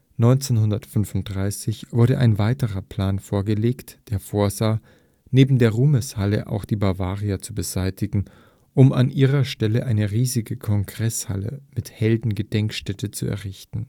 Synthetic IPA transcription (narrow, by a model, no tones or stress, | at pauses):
nɔʏnt͡seːnhʊndɐtfʏnvʊnt̚d̥ʁaɪsɪçv̥ʊɐɾəʔa̰ɪnvaɪtəʁɐpʰl̥aːnfoːɐɡəleːktd̥eːɐfoːɐzaː | neːbm̩deːɐʁuːməshalə̰ʔa̰ʊxd̥iːbavaːʁiat͡subəzaɪtʰɪɡŋ̩ | ʔʊma̰nʔiːʁɐʃtɛləʔaɪnəʁiːzɪɡəkʰɔŋɡʁɛsha̰lə̰mɪthɛldn̩ɡəd̥ɛŋkʃtɛtʰət͡sṵɛ̰ɐʁɪçtn̩